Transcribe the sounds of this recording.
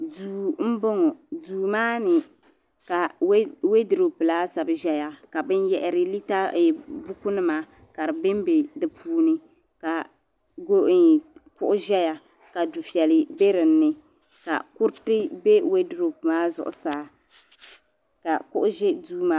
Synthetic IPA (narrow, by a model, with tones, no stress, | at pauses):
duː˨m̩˦bo˦ŋɔ˨duː˨maː˦nɨ˨ | ka˨˦we˦dɪ˨ɾo˨pɨ˨laː˦sa˨bɨ˦ʒɛ˦ja˨ka˨bɨ˦njɛ˦ʔɪ˨ɾɪ˦li˦ta˦˨bu˦ku˦nɨ˦maː˦ | ka˨ɾɨ˨bɪ˦m˦be˨dɨ˨pʰuː˦nɨ˦ | ka˨ | ɡo˦ʔn˨kʊ˦ʔʊ˦ʒɛ˦ja˨ | ka˨du˨fi˨ɛ˨lɨ˨be˦ɾɪ˨n̩ː˦ɨ˦ | ka̰˨kʊ˦ɾtɨ˦be˦we˦dɨ˨ɾo˨pɨ˨maː˦zʊ̰˨ʔʊ̰˨saː˦ | ka˨kʊ˦ʔʊ˦ʒɛ˦duː˦maː˦